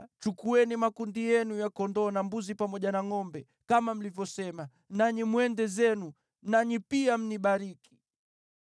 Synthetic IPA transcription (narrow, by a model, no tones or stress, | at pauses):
t͡ʃukuɛnimakundijɛnujakɔndɔːnambuzipamɔʄanaŋɔmbɛ | kamam̩livjɔsɛma | naɲimwɛndɛzɛnu | naɲipiam̩niɓaɾiki̥